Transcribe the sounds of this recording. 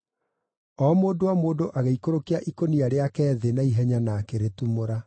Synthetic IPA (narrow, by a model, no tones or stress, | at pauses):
ɔmoːdowamoːdoʔaɣeikoɾokeaʔikoniaɾeakɛːðenaiɦɛɲanakeɾetumoɾa